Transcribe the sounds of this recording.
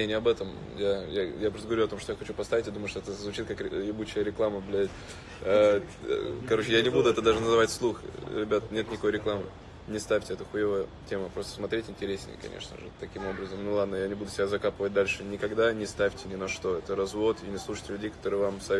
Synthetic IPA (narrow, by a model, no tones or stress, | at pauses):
enʲɪɐbɛt̪əm | jajajapɾot̪ɡəvɐɾʲuɐt̪o̞mʂt̪ojaxɐt͡ɕupɐst̪avʲɪtʲjad̪uməjʊʂt̪oɛt̪əzvʊt͡ɕit̪̚kaklʲɪbut͡ɕɪjəɾʲɪklˠaməblʲɪ | kɐɾo̞t͡ɕɪjanʲɪbud̪ʊɛt̪əd̪aʐɨnəzɨvatʲslˠuxɾʲɪbʲat̪nʲet̪nʲɪkɐkojɾʲɪklˠamɨ | nʲɪst̪afʲtʲɪɛt̪əxʊjevəjətʲemʊpɾo̞st̪əsmɐt̪ɾʲetʲɪnʲtʲɪɾʲesʲnʲɪ̰jə̰kɐ̰nʲḛʂnə̰ʐɨ̰t̪ɐkʲimo̞bɾəzəmnulˠad̪nəjanʲɪbud̪ʊsʲɪbʲazɐkapɨvət̚ʲd̪alʲʂɨnʲɪkɐɡd̪anʲɪst̪afʲtʲɪnʲɪnɐʂt̪o̞ɛt̪əɾɐzvo̞t̪ɪnʲɪslˠuʂɨ̥jtʲɪlʲʉdʲejkɐt̪o̞ɾɨjvamsɐ